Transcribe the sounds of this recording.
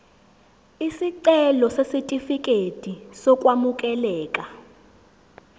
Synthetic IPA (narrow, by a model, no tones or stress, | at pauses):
isiǀɛlɔsesitʼifik̬ʼed̥ʱisɔkʼwamukʼɛlɛːkʼa